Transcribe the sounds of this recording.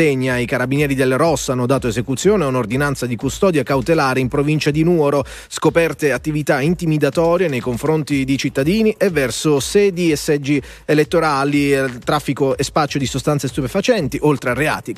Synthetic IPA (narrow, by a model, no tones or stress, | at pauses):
eɲːaikaɾabinjɛːɾid̪elɾɔsːanːod̪aːt̪oezekut̪sːjoːneunord̪inant̪sad̪ikust̪ɔːd̪jakawt̪elaːɾeimpɾovint͡ʃad̪inuɔɾo | skopɛrt̪eat̪ːivit̪aint̪imid̪at̪ɔːɾjenejkoɱfɾont̪id̪it͡ʃit̪ːad̪iːniʔevːɛrsosɛːd̪iesːɛd͡ʒːi | elet̪ːoɾaːlit̪ɾafːikoespat͡ʃːod̪isost̪ansest̪upefat͡ʃɛnt̪iʔolt̪ɾearea̰ːt̪i